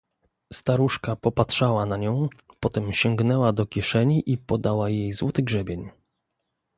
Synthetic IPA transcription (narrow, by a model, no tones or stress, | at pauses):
st̪aɾuʂkapɔpatʂawanaɲɔ̃w̃pɔt̪ɛmɕɔŋɡnɛwad̪ɔkʲjɛʂɛɲiʔipɔd̪awajejzwɔt̪ɘɡʐɛbʲjeɲ